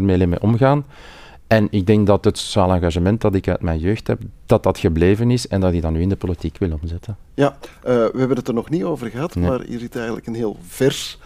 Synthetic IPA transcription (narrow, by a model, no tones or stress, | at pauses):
nmeːlemḛʔɔmɣaːn | ɛnɪɡ̚dɛŋk̚dɑtɦətsaːlɑ̃ŋɣaʒəmɛnt̚dɑtɪkœ̰ɥtmɛjnjøːxtɦɛ̰p̚d̥ɑtdɑtxəbleːvənɪsɛndɑtɪdɑnːyːɪndəpolitikʋɪlˠɔmzɪtən | jaʋəɦɛbənətərnɔxnitoːvərɣəɦɑtnmaːrḭzitɛjɣəndtləkənɦeːlˠvɛrs